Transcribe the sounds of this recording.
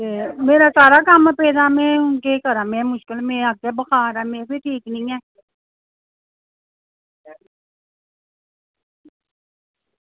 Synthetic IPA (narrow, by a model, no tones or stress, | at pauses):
emeːɾasaːɾakaːmpɛːd̪amɛ̃ʊnkekəɾamɛ̃mʊʃkɪlmẽaɡ̚kebɐxaːɾameːseʈʰiːknɐĩɛː